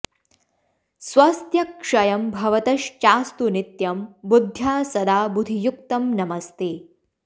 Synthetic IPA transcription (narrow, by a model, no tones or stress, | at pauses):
sʋɐst̪jɐkʂɐjɐmbʱɐʋɐt̪ɐʃt͡ʃaːst̪unit̪jɐmbud̪ʱjaːsɐd̪aːbud̪ʱijuk̚t̪ɐmnɐmɐst̪eː